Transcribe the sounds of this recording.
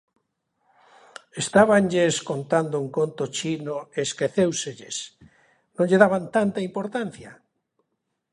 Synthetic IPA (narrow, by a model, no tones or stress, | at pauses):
est̪aβanʎeskont̪and̪ʊeŋkont̪ot͡ʃinoeskeθewseʎḛs | nõŋʎeðaβant̪ant̪aimpoɾt̪an̟θja